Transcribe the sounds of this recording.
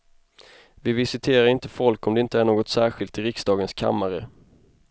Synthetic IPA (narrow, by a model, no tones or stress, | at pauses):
vɪvɪsɪt̪ʰeːɾaɾɪnt̪əfɔlkɔmd̪ɛɪnt̪əæɳoːɡɔt̪sæːɾɧɪlt̪ɪɾɪksd̪ɑːɡənskʰa̰mːaɾə